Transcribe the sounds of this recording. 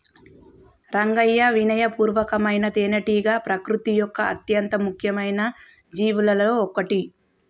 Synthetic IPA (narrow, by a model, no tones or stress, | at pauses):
ɾɐŋɡɐjːɐʋinɐjɐpuːɾʋɐkɐmɐjnɐt̪eːnɐʈiːɡaːpɾɐkɾut̪ijɔkːɐɐ̰t̪jɐnt̪ɐmukʰjɐmɐjnɐ | d͡ʒiːʋulɐloːkɐʈi